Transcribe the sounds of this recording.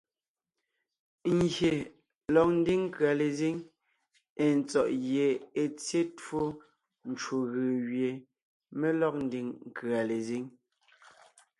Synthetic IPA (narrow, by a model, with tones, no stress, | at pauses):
ŋɡje˨ | lɔ˨k̚n̩˦di˦ŋ˦kɰa˨le˨zi˦ŋ | e˨n˨t͡sɔ˨ʔɣje˨e˨t͡sje˦two˦ | n̩˨t͡ʃo˨ɣə˨ɣje˨ | me˦lɔ˦k̚n̩˦di˨ŋŋ̩˨kɰa˨le˨zi˦ŋ